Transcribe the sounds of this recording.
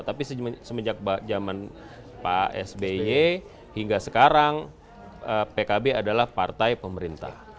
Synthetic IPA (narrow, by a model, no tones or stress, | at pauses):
t̪apisəsəməd͡ʒak̚bad͡ʒaman | pa̰ɛ̰sbeje | hiŋɡasəkaɾaŋ | əpekabeadalahpart̪ajpəməɾint̪a̰h